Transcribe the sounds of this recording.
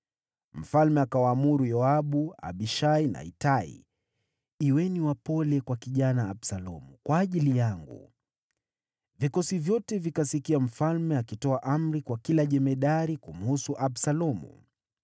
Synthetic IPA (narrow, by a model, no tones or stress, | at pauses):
m̩falmɛakawaːmuɾujɔaɓua̰ɓiʃaina̰ḭtaḭ | iwɛniwapɔlɛkwakiʄanaːɓsalɔmukwaːʄilijaŋɡṵ | vikɔsivjɔtɛvikasikiam̩falmɛakitɔaʔam̩ɾikwakilaʄɛmɛɗaɾikum̩husuʔaɓsalɔmṵ